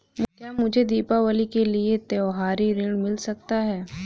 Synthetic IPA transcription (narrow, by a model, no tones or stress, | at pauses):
mt̪jamʊd͡ʒʱed̪iːpaʋəlikeliet̪eɔɦaːɾiɾɪɽ̃mɪlsɐk̚t̪aɦɛː